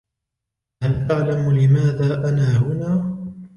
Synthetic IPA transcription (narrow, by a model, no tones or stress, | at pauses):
halʔaʕlamlɪmaːðaːʔanaːhʊnaː